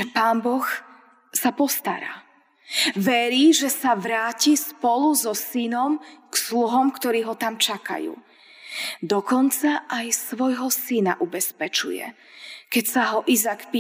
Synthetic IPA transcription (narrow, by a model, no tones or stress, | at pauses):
ɛpaːnbɔx | sapɔst̪a̰ɾa̰ː | ʋɛɾiːʒɛsaʋɾaːcispɔluzɔsinɔmksluɦɔmkt̪ɔɾiːɦɔt̪amt͡ʃaka̰jṵː | d̪ɔkɔnt͡saʔajsʋɔjɦɔsinaʔubɛspɛt͡ʃṵjɛ̰ | kɛcsaɦɔʔizakpi